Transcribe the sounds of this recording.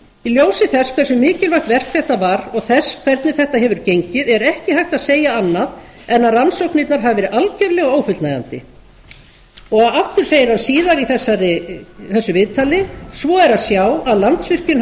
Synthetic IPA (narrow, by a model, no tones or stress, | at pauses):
iljoːwsɪθɛskʰvɛrsʏmːɪːcɪlvajht̪vɛr̥k̪θɛht̪avaɾɔɣθɛskʰvɛɾt̪nɪθɛht̪aɦɛvʏɾ̥cejɲcɪðɛɾɛhcɪhajht̪aðseːjaanːað | ɛnːaðransowknit̪naɾ̥ɦavɪvɛɾɪʔalcɛɾlɪɣɔɣoːwfʏlt̪naja̰nt̪ɪ̰ | ɔɣaðaft̪ʏɾ̥seːjɪɾ̥hansiːðaɾiθɛsːaɾɪθɛsːʏvɪðt̪ʰalɪsvɔɛɾaðsjawaðlant̪svɪr̥cɪn